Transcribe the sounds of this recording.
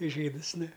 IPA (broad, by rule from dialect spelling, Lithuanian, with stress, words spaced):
ˈʒʲiːdɨs ˈnʊ